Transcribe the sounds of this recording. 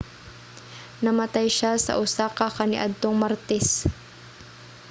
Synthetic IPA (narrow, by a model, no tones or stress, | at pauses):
nɐmɐt̪ajʃasɐ̰ʔʊsaːkakɐnɪʔad̪̚t̪oŋmɐɾt̪ɛs